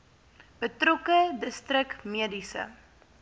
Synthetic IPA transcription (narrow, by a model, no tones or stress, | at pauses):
b̥ətrokədəstrəkmiədisə̰